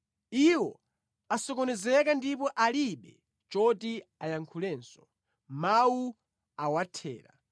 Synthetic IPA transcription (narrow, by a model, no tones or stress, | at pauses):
iwɔ | asɔkɔnɛzɛkandipɔʔaliɓɛ | t͡ʃɔtiajaŋkʰulɛːnsɔ̥ | mawu | awatʰɛ̰ːɾa̰